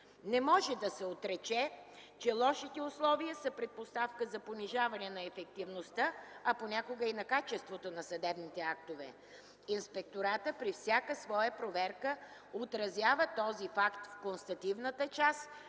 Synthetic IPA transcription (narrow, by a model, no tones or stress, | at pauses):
nɛmɔʒɛd̪ɐsɛot̪ɾɛt͡ʃɛt͡ʃɛlˠɔʃit̪ɛʊslˠɔviəsəpɾɛt̪̚post̪afkəzɐponiʒavɐnɛnɐɛfɛk̚t̪ivnost̪əɐponʲakoɡəinɐkat͡ʃɛst̪vot̪onɐsɐd̪ɛbnit̪ɛak̚t̪ovɛ̰ | inspɛk̚t̪oɾat̪əpɾifsʲjakəsvɔjəpɾovɛɾkə | ot̪ɾɐzʲjavət̪ɔzifakt̪fkonst̪ɐt̪ivnət̪ət͡ʃas